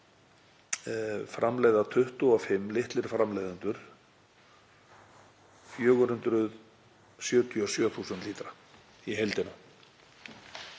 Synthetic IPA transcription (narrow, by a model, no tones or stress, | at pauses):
fɾʔamleːjðat̪ʰʏht̪ʏɔfɪmːlɪht̪lɪɾ̥fɾamlejðant̪ʏɾ̥ | fjœːɣʏhʏnt̪ɾʏð | sjœːt̪ʰiɔsjœːθuːsənt̪liːt̪ɾa | iɦejlt̪ɪna